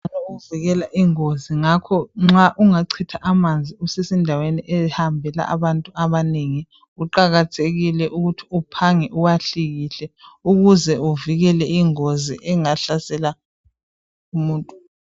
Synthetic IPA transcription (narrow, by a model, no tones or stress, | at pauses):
nɔuviɣɛlaʔiŋoziŋakʰɔŋ͡ǁaʔuŋaǀʰitʰaʔamand͡zʱiusesindʱaweniʔɛhambʱɛla̰ʔa̰βantʼuʔaβaneŋi | uǃaɣatʰeɣilɛʔuɣutʰiupʰaŋɛʔuwaɬiɣiɬɛuɣuzɛuviɣɛlɛiŋozḭʔɛŋaɬasɛla | umuːntʼu